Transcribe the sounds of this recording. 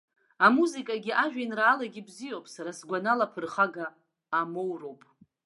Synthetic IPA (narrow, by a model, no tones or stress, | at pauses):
amuzikʼaɡʲiʔaʒᶣanraːlaɡʲibzijowpʼsaɾasɡʷanalapʰɨrχaɡaː | mowro̞wpʼ